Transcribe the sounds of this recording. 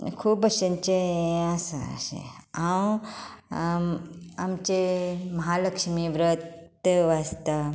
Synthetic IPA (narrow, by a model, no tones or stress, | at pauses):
kʰuːpəɕəɲt͡ɕeasa̰ɕḛãw | amt͡ɕemɐɦaləkʂmiʋɾət̪ʋast̪a